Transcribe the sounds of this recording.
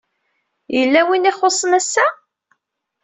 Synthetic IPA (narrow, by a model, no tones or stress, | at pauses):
jəlːæwiniχosˤːənæsːæ